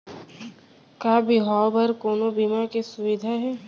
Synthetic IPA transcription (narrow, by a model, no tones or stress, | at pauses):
kaːbiɦaːwbɐɾkoːnobimakesʊwɪd̪ʱaɦɛː